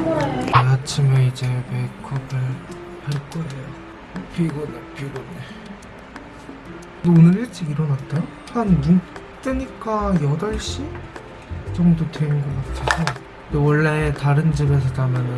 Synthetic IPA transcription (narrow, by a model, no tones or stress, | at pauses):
eat͡ɕʰimeid͡ʑe̞me̞kʰʌbɯɭhaɭk͈ʌdɯɲo | pʰiɡonapʰiɡone | donɯɭet͡ɕ͈iɡiɾʌnatt͈ajo | hanːu | t͈weɲik͈ajʌdaɭɕ͈i | t͡ɕʌmdoteinɡʌkatʰesʰʌ | ndewʌɭːe̞taɾɯnd͡ʑɯme̞s̬ʰʌtamjʌnɯ